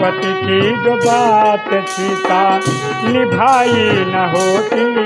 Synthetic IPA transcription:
pɐt̪itʰid͡ʒobaːt̪et̪ʰit̪aː | nibʱaːjinɐɦoːt̪i

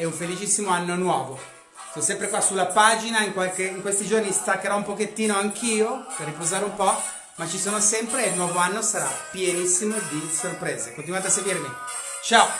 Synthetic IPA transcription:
ɛuɱfelit͡ʃisːimoanːonwɔːvo | sonsɛmpɾekwasulapaːd͡ʒinaiŋkwalkeiŋkwest̪id͡ʒornist̪akːeɾɔumpoket̪ːiːnoaŋkʰiːoperːipozaːɾeumpɔ | mat͡ʃisoːnosɛmpɾelnwɔːvoanːosaɾa̰pjenisːimod̪isorpɾeːzekont̪inwat̪easːeɡwiːɾemi | t͡ʃao

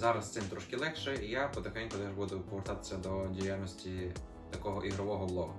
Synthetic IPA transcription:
zɑɾɐst̪sɪmt̪ɾɔʃkʲɪlˠɛxʃɛijapɔd̪ɐxɛnʲkɔd̪ɛʒbud̪ʊpɔʋeɾt̪ɑt̪ɪ̥sʲːɐd̪ɔdʲijalʲnɔsʲtʲi | t̪ɐkɔɦɔʔiɦɾɔʋɔɦɔblˠɔɦʊ

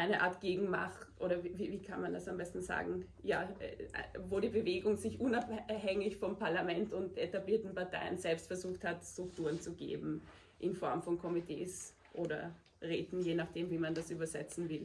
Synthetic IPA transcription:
ʔaɪnəʔa̰ːɐtɡ̥eːɡŋ̩ma̰χʔoːɾɐviviːviːkʰanmandasambɛstn̩za̰ːɡŋ̩ | ja̰ːɛvoːɾiːbəveːɡʊŋzɪçʔʊnaphɛŋɪçfɔmpʰaɐlamɛntʊntʔetabliːɐtn̩paɐtʰa̰ɪənzɛlpstfɛɐzuːxthatstʁ̥ʊk̚tuːɐənt͡suɡḛːbm̩ | ʔɪnfɔɐmfɔnkʰɔmitʰḛːs | ʔoːɾɐ̰ | ʁeːtn̩jeːnaχd̥eːmviːmandasʔyːbɐzɛt͡sn̩vɪl

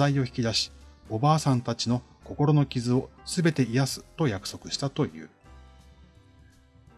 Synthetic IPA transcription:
aio̞çi̥kʲid̪aɕi̥o̞baːsãnt̪at͡ɕino̞ | ko̞ko̞ɾo̞no̞kʲizɨo̞sɨbe̞t̪e̞ijasɨ̥t̪o̞jakɯ̟̥so̞kɯ̟ɕi̥t̪at̪o̞jɯ̟̰ː

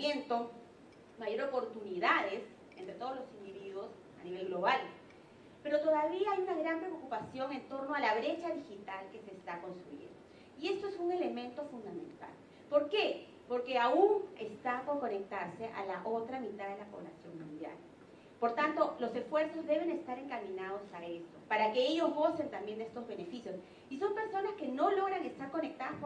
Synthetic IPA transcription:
ent̪o̞ | majo̞ɾopo̞ɾt̪uniðaðes | ent̪ɾe̞t̪o̞ozlo̞sind̪iβiðwo̞s | aniβe̞lɣlo̞βal | pe̞ɾo̞t̪o̞ðaβiaajunaɣɾampɾeookupasjo̞ŋe̞nt̪o̞ɾno̞alaβɾe̞t͡ʃaðixit̪alke̞sest̪ako̞nst̪ɾujḛnd̪oo | ie̞st̪o̞esuŋe̞le̞mẽ̞nt̪o̞fund̪amḛ̃nt̪a̰l | po̞ɾke̞ | po̞ɾke̞auŋest̪ako̞ɾko̞ne̞k̚t̪aɾse̞ʔa̰laʔo̞t̪ɾamĩt̪aðe̞lapo̞β̞lasjo̞ŋmũnd̪ja̰l | po̞ɾt̪ant̪o̞lo̞se̞sfwe̞ɾso̞zðe̞β̞e̞ŋe̞st̪aɾe̞ŋkamĩnað̞osaest̪o̞paɾake̞e̞ʝo̞zɣo̞se̞nt̪ambje̞nd̪e̞st̪ozβe̞ne̞fisjo̞s | iso̞mpe̞ɾso̞naske̞no̞lo̞ɣɾaŋe̞st̪aɾko̞nek̚t̪aðasp

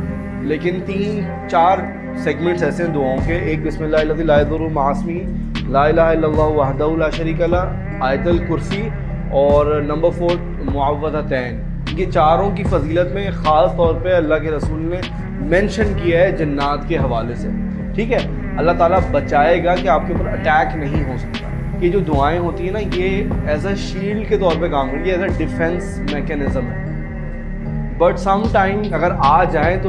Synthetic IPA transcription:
leːkɪnt̪iːn | t͡ʃaːɾ | sɛːɡmɛ̃ɳʈsɛːseɦɛ̃d̪ʊaːõkeʔeːk̚bɪsmɪlːaɦɪlːɐd̪iːlaːɪzʊɾumaːsmi | laːɪlaːɦaɪlːɐlːaːɦuʋɐɦd̪ɐɦulaːʃɐɾiːkɐla | aːjt̪əlkʊɾsi | ɔːɾnɐ̃mbəɾfoːɾ | mʊəʋːəzat̪ɛːnː | ket͡ʃaːɾõk̬ifɐziːlət̪mẽxaːst̪ɔːɾpeɐlːaɦkeɾɐsuːlne | mɛ̃nʃənkijaɦɛd͡ʒɐnːaːt̪keɦɐʋaːlese | ʈʰiːkɦɛː | ɐlːat̪aːlabɐt͡ʃaːeɡakeaːp̚keuːpəɾɐʈɛːknɐɦĩɦosɐk̚t̪a̰ː | ked͡ʒoːd̪ʊaːẽɦoːt̪iɦɛ̃najeɛːsaʃiːɖket̪ɔːɾpekaːmkɐɾiɛːsaɖɪfɛ̃ns | mɛːkɛnɪzə̃mɦ̪ | bɐʈsɐ̃mʈãːɪ̃mɐɡəɾaːd͡ʒaːẽt̪o

